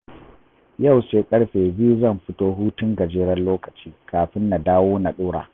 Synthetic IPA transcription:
jɐ˦˨wseː˨kʼɐ˦ɽɸeː˨bɪ˦ju˦zɐ˦˨mɸɪ˦toː˦ɦuː˦tʊ˦ŋɡɐ˨d͡ʒeː˦ɽɐ˦nloː˦kɐ̥˨t͡ʃiː˦kʰaː˨ɸɪ˦nːa˨daː˦woː˦na˨ɗoː˦ɽa̰ː˨

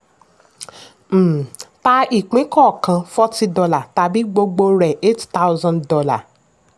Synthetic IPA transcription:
ta˧i˨k͡pĩ˨˦kɔ˦˨kã˧fɔ˦ti˦dɔ˧la˦˨ta˧bi˦ɡ͡bo˧ɡ͡bo˧ɾɛ˨ʔe˦tta˦wzã˧ndɔ˧la̰˨

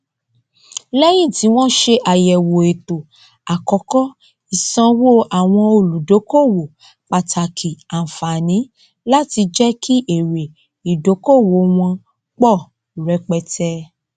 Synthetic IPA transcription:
lɛ˦j̃ĩ˦˨ti˨˦w̃ɔ̃˦ʃe˧ʔa˨jɛ˨wo˨e˨to˨ | a˨kɔ˨˦kɔ˦ | i˨sã˧wo˦a˨w̃ɔ̃˧o˨lu˨do˨˦ko˦˨wo˨ | k͡pa˨tʰa˨kʰi˨a˨n̩˨fa˨nĩ˨˦ | la˦ti˧d͡ʒɛ˦kʰi˦ʔe˨ɾe˨ | i˨do˨˦ko˦˨wo˨˦w̃ɔ̃˧ | k͡pɔ˦˨ | ɾɛ˨˧˦k͡pɛ˧tʰɛ˧˦

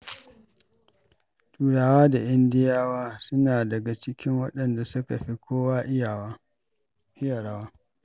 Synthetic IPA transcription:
tuː˨ɽaː˨waː˦da˨ʔɪ˦ndɪ˦jaː˦waː˦sʊ˦naː˨dɐ˨ɡa˨t͡ʃɪ˦kʲɪ˦ŋwɐ˦ɗɐ˨nda˨sʊ˦ka˨ɸi˦kʰʷoː˦waː˦˨ | ʔɪ˦ja˨ɽa˦waː˦

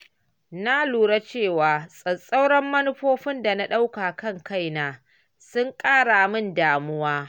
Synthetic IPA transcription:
na˦luː˨ɽa˦t͡ʃeː˦˨waː˨sʼɐ˨sʼa˦wɽɐ˦mːɐ˦nʊ˦ɸoː˦ɸɪ˦nda˨na˦ɗa˦wka˨kɐ˦˨ŋka˦˨jnaː˨ | sʊ˦ŋkʼaː˦ɽa˨mɪ˦˨ndaː˨mʊ˦waː˦

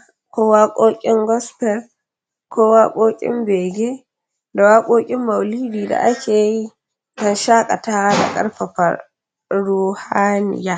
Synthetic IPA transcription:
kʷoː˦waː˦kʷʼoː˦kʲʼɪ˦ŋɡɔ˦spɛ˦˨ɾ | kʰoː˦waː˦kʷʼoː˦kʲʼɪ̰˦mbeː˨ɡʲe˦ | da˨waː˦kʷʼoː˦kʲʼɪ˦mːa˨wliː˦biː˨da̰˨ʔa˦kʲeː˨ji˦ | dɐ˦nʃaː˦kʼa˨taː˦wa˦da̰˨kʼɐ̰˦ɾɸa˨ɸɐ̰˨ɾ | ɽuː˦ha˦nɪ̰˨ja˦

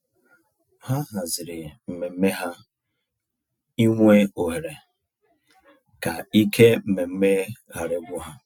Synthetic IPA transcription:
ha˦ɦa˨zɪ˨ɾɪ˨m̩˨me˨m̩˦me˦ɦa˦ | i˦ŋʷe˦o˨ɦe˨ɾe˨ | ka˨i˦kʰe˦m̩˨me˨m̩˦me˦ha˨ɾe˦ɡʷʊ˦ɦa˦

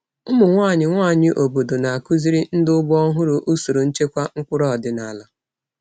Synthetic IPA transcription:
ʊ˦mʊ˨ŋʷaː˦˨ɲɪ˨ŋʷaː˦˨ɲɪ˨ʔo˨bo˨do˨na˨a˨ku˦zi˦ɾi˦n̩˦dʊ˦bʊ˦ɔ˦ɦʊ˦ɾo˨ʔu˦so˨ɾo˨n̩˦t͡ʃe˦kʷa˦ŋ̩˦kʷʊ˦ɾɔ˦˨dɪ˨na˨la˨

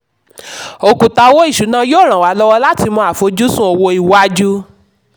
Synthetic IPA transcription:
o˧˨kũ˨ta˧wo˦i˦˨ʃu˨˦nã˦joː˦˨ɾ̃ã˨wa˨˦lɔ˦wɔ˧la˦ti˧mɔ̃˧a˨fo˨˦d͡ʒu˦sũ˦ɔ˧wo˧i˨wa˦d͡ʒu˦

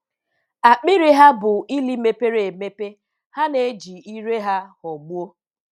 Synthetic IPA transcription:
a˨k͡pɪ˦ɾi˦ɦa˦bʊ˨i˦li˦me˦pe˦ɾe˨e˨me˦pe˦ | ha˦ne˨˦d͡ʒi˨i˦ɾe˦ɦa˦hɔ˨ɡ͡bu˦o˦

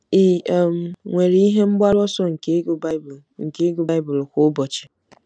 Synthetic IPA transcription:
i˨m̩˨ŋʷe˨ɾi˦i˦ɦe˦m̩˦ɡ͡ba˦ɾɔ˦sɔ˦ŋ̩˨ka˦˨ | ŋ̩˨ke˦ɡu˨ba˦jbʊ˨lkʷʊ˦bɔ˨t͡ʃe̥˨

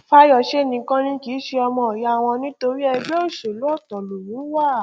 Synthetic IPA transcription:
fa˦jɔ˧˨ʃe˦˨nĩ˧kã˦nĩ˦ki˨˦ʃe˧ɔ˧mɔ̃˧˨ja˨˧˨w̃ɔ̃˧nĩ˦to˧ɾi˦ɛ˧be˦o˦˨ʃo˨lu˨˦ɔ˦˨tɔ˨lo˨nĩ˨˦wa˦˨

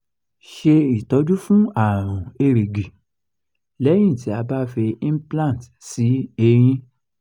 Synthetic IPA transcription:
ʃe˧i˨tɔ˨˦d͡ʒu˦fũ˦a˨ɾ̃ɔ̃˨e˧ɾe˨ɡi˨ | lɛ˨˦j̃ĩ˦˨ti˨˦a˧ba˦fe˧ĩ˦plã˦˨t | si˨˦e˧ɾ̃ĩ˦

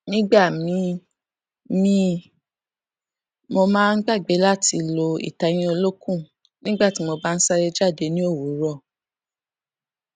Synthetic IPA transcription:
nĩ˦ɡ͡ba˦˨mĩ˨˦ | mĩ˦ | mo˧mãː˦˧n̩˦ɡ͡ba˦˨ɡ͡be˨˦la˦ti˧lo˧ḭ˨ta˨˦j̃ĩ˧o˧lo˦kũ˦˨ | nĩ˦ɡ͡ba˦˨ti˨˦mo˧ba˦n̩˦sa˦ɾe˧d͡ʒa˦˨de˧˦nĩ˦o˦˨wu˨˦ɾɔ˦˨

